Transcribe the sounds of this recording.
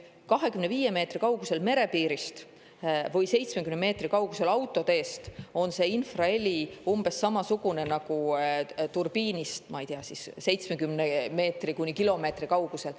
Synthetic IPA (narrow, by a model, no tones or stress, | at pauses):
kɑɦe̞kymne̞viːje̞me̞ːt̪rikɑwɡ̥use̞lme̞ɾe̞piːɾist̪ | vɤjse̞jt̪smekymnme̞ːt̪rikɑwɡ̥use̞lɑwt̪ːˑo̞t̪e̞ːst̪o̞nse̞ːinfrɑe̞lʲiumb̥e̞sːɑmɑsuɡ̥une̞nɑɡ̥ut̪urb̥iːnist̪mɑejt̪eɑsisse̞jt̪smekymneme̞ːt̪rikunʲːikilo̞me̞ːt̪rikɑwɡ̥use̞l